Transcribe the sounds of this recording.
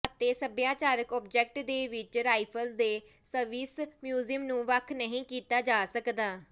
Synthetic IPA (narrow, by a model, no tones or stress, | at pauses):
ət̪eːsəbjãːt͡ʃaːɾəkɔːp̚d͡ʒɛːk̚ʈd̪eːʋɪt͡ʃɾaːipʰəld̪eː | səɾʋiːsmjuːziɪəmnũːʋəkʰnəɦĩːkiːt̪aːd͡ʒaːsəkd̪aː